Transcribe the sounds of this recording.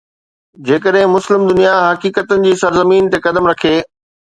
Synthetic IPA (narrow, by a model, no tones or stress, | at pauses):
d͡ʑeːkəɗɦɪ̃mʊslɪmd̪ʊnijaɦɐkiːkət̪ənɪ̆d͡ʑiːsɐɾzəmiːnt̪ekɐd̪əmɾɐkʰeː